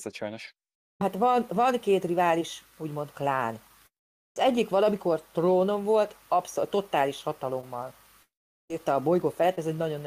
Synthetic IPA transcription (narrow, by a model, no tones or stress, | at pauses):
zɛt͡ʃɒjnoʃ | ɦat̪vɒnvɒnkeːt̪rivaːliʃ | uːɟmo̞nt̪klaːn | ɒzɛɟːikʋɒlɒmiko̞rt̪roːno̞ɱvo̞lt̪ɒpsot̪ːo̞t̪aːliʃhɒt̪ɒlo̞mːɒl | iːrt̪ɛːbo̞jɡoːfɛlɛt̪ːɛzoɟnɒɟo̞n